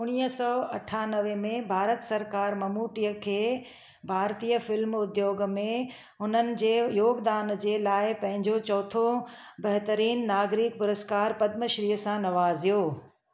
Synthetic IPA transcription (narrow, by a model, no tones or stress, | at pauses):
ʊɽ̃ijəsɔːɐʈʰaːnəʋemẽbʱaːɾət̪sɐɾkaːɾmɐmuːʈijəkʰeː | bʱaːɾt̪iːəfɪlmʊd̪joːɡmẽ | ɦʊnənɪ̆d͡ʑeːjoːɡd̪aːnd͡ʑeːlaːɪpɐ̃ɦɪ̃ɲd͡ʑot͡ɕɔːt̪ʰo | bɐɦt̪əɾiːnːaːɡɾik̚pʊɾəskaːɾpɐd̪məʃɾiːɦəsãnɐʋaːzijoː